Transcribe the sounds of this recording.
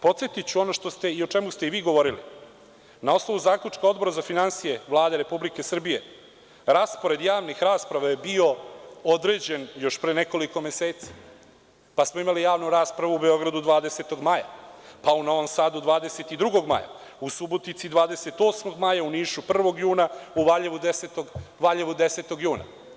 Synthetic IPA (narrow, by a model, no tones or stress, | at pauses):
po̞t̪sjet̪it͡ɕuo̞no̞ʃt̪o̞st̪e̞io̞t͡ʃemust̪e̞iʋiːɡo̞ʋo̞ɾilḭ | nao̞snoʋuzaːkʎʲut͡ʂkao̞d̪bo̞ɾazafinansije̞ʋlˠaːd̪e̞ɾe̞publike̞sr̩bije̞ | ɾaːspo̞ɾe̞d̪jaːʋnixɾaːspɾaʋaje̞bio̞o̞d̪ɾe̞ːd͡ʑe̞njo̞ʃpɾeːne̞ko̞liko̞meseːt̪si̥ | pasmoimalijaːʋnuɾaːspɾaʋuube̞o̞ɡɾad̪ud̪ʋaːd̪ese̞t̪o̞ɡmaja̰pauno̞ʋomsaːd̪ud̪ʋaːd̪ese̞t̪id̪ɾuɡo̞ɡma̰ja̰ | usubot̪nit̪sid̪ʋaːd̪e̞se̞t̪o̞ːsmo̞ɡmajauniːʃupr̩ʋo̞ɡjuːnauʋaʎeʋud̪eset̪oɡʋaʎeʋud̪e̞set̪o̞ɡjuːna̰